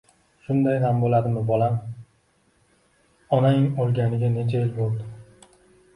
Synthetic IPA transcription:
ʃʊnd̪ajɦambolˠad̪ɪmɪbɒlam | ɒnanɪŋɒlˠɡʲanɪɡʲane̞t͡ʃʰaelbolˠd̪ɪ

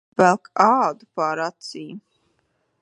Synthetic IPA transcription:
bɛlˠkʰaːd̪upaːɾat̪siː

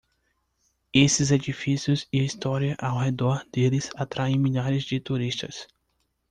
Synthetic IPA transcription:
esɪzed͡ʒifisiʊziɐist̪ɔɾiɐʔawɦed̪ɔɾd̪̥elɪzat̪ɾʔaẽj̃miʎaɾɪzd͡ʒɪt̪uɾist̪ɐ̰s

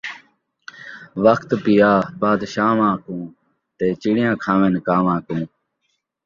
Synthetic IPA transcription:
ʋəkʰt̪pɪjaːbaːd̪ʃaːʋãːkũː | t̪eːt͡ʃiɽɪjãːkʰãːʋeːnkaːʋãːkũː

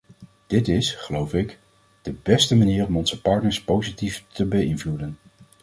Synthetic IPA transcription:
d̥ɪtɪsχəlowfɪk | d̥əbɛstəmaniːrɔmɔnzəpɑːɹtnəɹspowzitiftəbəɪnvludən

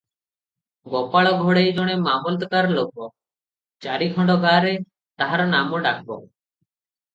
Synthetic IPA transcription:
ɡɔpaɭɔɡʱoɽejd͡ʒɔɽ̃emamɔlt̪ɔkaɾɔlokɔ | t͡ʃaɾiɡʰʱɔɳɖɔɡaɾe | t̪aɦaɾɔnamɔɖak̚ʰbɔ

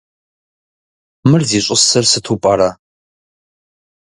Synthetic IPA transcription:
mɨrziːɕʼʊsɐrsɨtʰupʼɐɾɐ

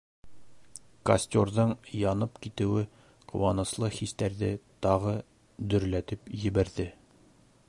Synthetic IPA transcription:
kɐ̰sʲt̪ʲorðɤɴjɒnɤpkit̪ɘ̆wɘ | qŏwɑnɤ̆slˠɤχist̪æɾðɘt̪ɒʁɤ | d̪ɵ̆ɾlæt̪ɘpjɘ̆bæɾðɘ

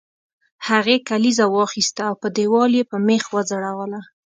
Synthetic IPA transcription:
haɣekalizawɑxist̪aːwpəd̪ewɑljepəmexwəd͡zaɽawəla

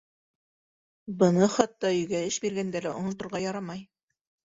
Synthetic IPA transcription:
bɤ̆nɤχɑt̪ːɑɵ̆jɡæɘʃbiɾɡænd̪ælæʔŏnŏt̪ŏɾʁɑjɑɾɑmɑj

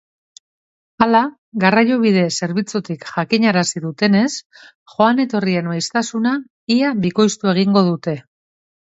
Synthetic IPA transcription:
ala | ɣarajoβ̞ið̞e̞se̞ɾβit͡sut̪ikʝakiɲaɾasiðut̪e̞ne̞s | ʝo̞ane̞t̪o̞rie̞nmajst̪asuna | iaβiko̞jst̪ue̞ɣ̞iŋɡo̞ð̞ut̪e̞

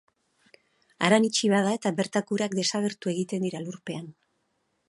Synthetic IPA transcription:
aɾanit͡ʃiβaðae̞t̪aβe̞ɾt̪akuɾakd̪e̞saɣ̞e̞ɾt̪ue̞ɣit̪e̞nd̪iɾaluɾpe̞an

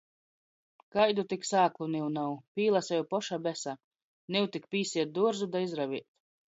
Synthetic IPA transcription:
kajd̪ut̪iksaːklˠuniwnawpʲiːlˠasɛjupɔʃabʲɛsa | niwt̪ikpʲiːsiɛt̪̚d̪uɔɾzud̪aizɾaviɛt̪

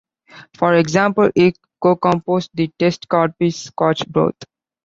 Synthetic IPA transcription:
fɔɾeɡzãmpəlɪʈ | koːkɔ̃mpoːsʈ̚d̪iʈesʈkɔːɖ̚piskɔːt͡ʃbɾo̰ːt̪ʰ

